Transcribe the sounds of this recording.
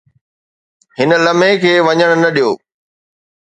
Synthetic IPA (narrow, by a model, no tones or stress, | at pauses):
hɪnə̆lɐmekʰeːʋɐɲəɽ̃nɐɗijo̰ː